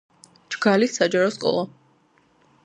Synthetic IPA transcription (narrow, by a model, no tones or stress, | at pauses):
d͡ʒɡ̥alisːad͡ʒaɾɔskʼɔ̰lˠa